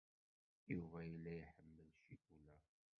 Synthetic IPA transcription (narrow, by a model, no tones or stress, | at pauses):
juvæjlːæjħəmːəlʃikulæ